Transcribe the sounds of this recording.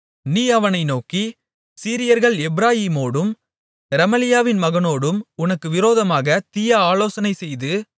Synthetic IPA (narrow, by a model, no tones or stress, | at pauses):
niːɐʋɐnɐɪnoːki | siːɾɪjɐɾɣɐɭɛbɪɾaːjiːmoːɽɯm | ɾɐmɐlɪjaːʋɪnmɐɣɐnoːɽɯmʊnɐkːɯʋɪɾoːðɐmaːɣɐt̪ɪjɐaːloːsɐnɐɪsɛjðɯ